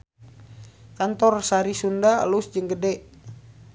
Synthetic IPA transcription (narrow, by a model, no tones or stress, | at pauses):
kant̪ɔrsaɾisundalusd͡ʒəŋɡədɛʔ